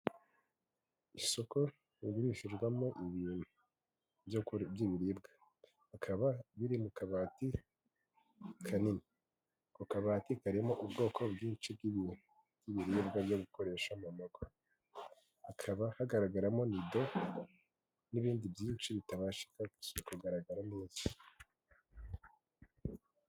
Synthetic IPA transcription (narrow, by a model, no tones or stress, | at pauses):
iso̞ko | iβiɾiʃiʒɡwamoʔiβiːn̥hu | bjbjiβiɾiːb̚ɡa | akʰaβaβiɾimukaβaːti | kʰanini | kokaβaːtikaɾimo̞ʔubɡo̞ːkʰo̞bɡiːnt͡ʃib̚ɡiβiːn̥u | b̥jiβiɾibɡabjoɡuko̞ɾe̞ːʃamumoɡo | akʰaβahaɡaɾaɡaɾamo̞nido̞ | niβiːndibjiːnt͡ʃiβitaβaʃi̥kaksukuɡaɾaɡaɾaneːz̥ḁ